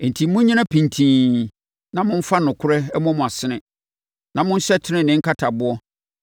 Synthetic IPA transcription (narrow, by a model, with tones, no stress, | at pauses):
n̩˨tʰi˨˦mʊ̃˦ɲĩ˦nã˦pʰĩ˨ntʰĩː˨ | nã˦mʊ̃˦m̩˦fa˦nʊ̃˨kʰʊ˦ɾɛ˦ɛ˦mɔ̃˦mʊ̃˨a˨sɪ˦nɪ̃˨ | nã˨mʊ̃˦n̩˦ɕɛ˦tʰɪ˦nɪ̃˦nɪ̃˦ŋ̩˦kʰa˦tʰa˨bʊ˦ɔ˦